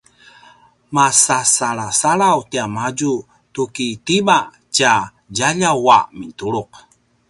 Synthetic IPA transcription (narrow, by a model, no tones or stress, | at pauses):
masasaɭasaɭawtiamad͡ʒu | tukitima | t͡ʃa | d͡ʒaʎawa̰mintuɽuq̚